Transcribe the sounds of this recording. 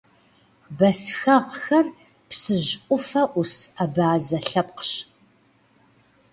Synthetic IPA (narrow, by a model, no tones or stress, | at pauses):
bɐsxɐʁxɐr | psɨʑʔʷʼʊfɐʔʷʊsabaːzɐɬɐpqɕ